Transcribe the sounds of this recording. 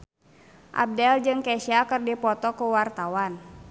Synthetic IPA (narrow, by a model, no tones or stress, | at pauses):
ʔa̰b̚dɛld͡ʒɨŋkɛsiakɨrdipɔt̪ɔkuwart̪awan